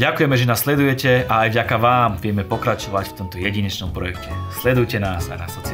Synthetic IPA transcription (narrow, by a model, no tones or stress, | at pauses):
ɟakujɛmɛʒɛnaːslɛd̪ujɛcɛaːjvɟakaʋaːmʋɪɛmɛpɔkɾat͡ʃɔʋacft̪ɔmt̪ɔjɛɟiɲɛt͡ʃnɔmpɾɔjɛkcɛslɛd̪ujcɛnaːsa̰jna̰sɔt͡s